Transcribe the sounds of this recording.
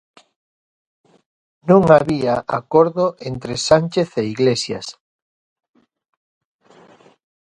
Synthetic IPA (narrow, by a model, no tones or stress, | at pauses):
nũŋaβiaʔa̰koɾðoʔent̪ɾesanʲt͡ʃeθeiɣlesja̰s